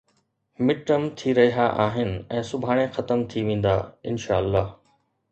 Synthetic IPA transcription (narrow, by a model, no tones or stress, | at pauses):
mɪʈəmt̪ʰiɾɐɦiɦaʔaːɦɪnɪ̆ɛ̃ːsʊbʱaːɽ̃exɐt̪əmt̪ʰiʋẽːn̆d̪aɪnʃaːəlːaːɦ